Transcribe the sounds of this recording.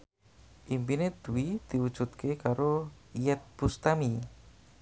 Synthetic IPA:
ʔimpined̪̥uwid̪̥iwud̥ʒ̥ut̪kʰekaɾoijɛt̪̚pust̪ami

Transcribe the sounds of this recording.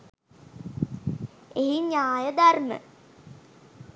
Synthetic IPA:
eɦiɲaːjəd̪armə̰

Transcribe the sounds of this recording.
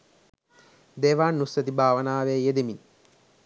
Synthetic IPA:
d̪eːʋaːnːusət̪ibʱaːʋənaːʋeːjed̪emin

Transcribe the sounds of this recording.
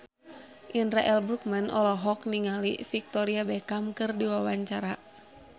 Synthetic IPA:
ʔinɾaʔɛlbɾuk̚manʔɔ̰lɔɦɔk̚niŋalḭfik̚t̪ɔɾiabɛkamkɨrdiwawaɲt͡ʃaɾa

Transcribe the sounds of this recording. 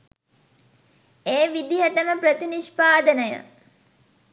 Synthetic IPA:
eːʋid̪iɦəʈəməpɾət̪iniʃpaːd̪ənəjə̰

